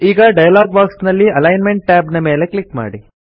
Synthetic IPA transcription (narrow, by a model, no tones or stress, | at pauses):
iːɡɐɖɐjɐlaːɡ̚baːksnɐlːiɐlɐjnmeɳʈ̚ːaːbnɐme̞ːleklikma̰ːɽi